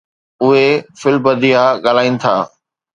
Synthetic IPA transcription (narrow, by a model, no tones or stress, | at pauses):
ʊɦefɪlbɐd̪iaɠaːl̤aːĩːnɪ̆t̪ʰa̰ː